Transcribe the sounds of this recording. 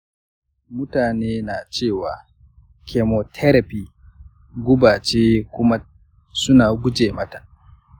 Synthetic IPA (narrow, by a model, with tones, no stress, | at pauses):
mʊ˦taː˨neː˦naː˨t͡ʃeː˦˨waː˨ | kʰe˨mo˨tʰɛ˦ɾa˨pi˨ | ɡʷʊ˦baː˨t͡ʃeː˦kʷʊ˦ma˦ | sʊ˦naː˨ɡʷʊ˦d͡ʒeː˨mɐ˦tḁ˨